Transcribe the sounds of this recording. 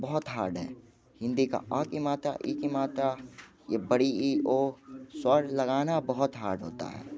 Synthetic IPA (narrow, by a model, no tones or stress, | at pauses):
bəɦʊt̪ɦa̰ːɾɖɦɛ̰ː | hɪ̃nd̪ika̰ʔaːkimaːt̪ɾa̰ʔiːkimaːt̪ɾa | jebəɽiioːswəɾlɐɡaːnabəɦʊt̪ɦa̰ːɾɖɦoːt̪a̰ɦɛ̰ː